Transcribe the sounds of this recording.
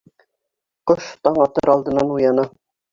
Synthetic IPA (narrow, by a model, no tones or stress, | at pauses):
qoʃt̪ɑɴɑt̪ɤɾɑlˠd̪ɤ̆nɑnujɑnɑ